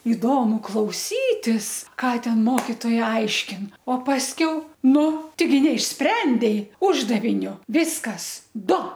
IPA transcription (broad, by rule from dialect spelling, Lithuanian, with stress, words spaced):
ɪˈdoːmʊ klˠɐʊˈsʲiːtʲɪs ˈkɑː ˈtʲɛn ˈmoːkʲɪtoːjɛ ˈɐɪʃʲkʲɪn oː pɐsʲˈkʲɛʊ ˈnʊ tʲɛɪˈɡʲɪ nʲɛɪʃʲˈsʲpʲrʲɛnʲdʲɛɪ ˈʊʒdɐʋʲɪnʲoː ˈʋʲɪskɐs ˈdʊ